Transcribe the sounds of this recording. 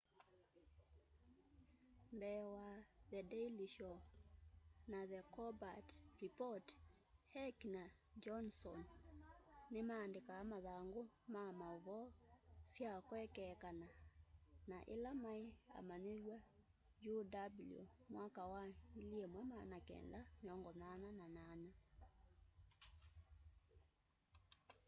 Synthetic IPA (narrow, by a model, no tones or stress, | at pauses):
mbɛːwaðɛdɛiliʃɔ | naðɛkɔbatɾipɔt | hɛkna | d͡ʒɔnsɔnː | emaːndikaːmaðaŋɡomamauβɔsjakwɛkɛkana | naʔḛlamaea̰maneɾwa | judabljo̰mwakawailiemwɛmanakɛ̰ndameɔŋɡɔnanananana